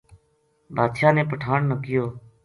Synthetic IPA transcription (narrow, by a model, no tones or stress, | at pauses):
bʱaːd̪ʃaːnẽːpəʈʰaːɳnəkɪjoː